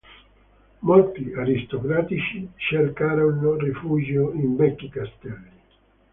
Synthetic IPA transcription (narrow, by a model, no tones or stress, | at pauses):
molt̪iaɾist̪okɾaːt̪it͡ʃiʃerkaːɾonorifuːd͡ʒjoimvɛkːikast̪ɛli